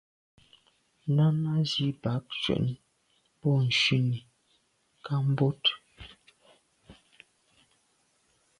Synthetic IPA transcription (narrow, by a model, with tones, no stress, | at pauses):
na˦na˦zi˦ba˨˦k̚t͡ʃwɛ̰˨ʔni˦ | pɔ˦˨n̩˨ʃi˦ni˨ | ka˦m̩˦bo˦t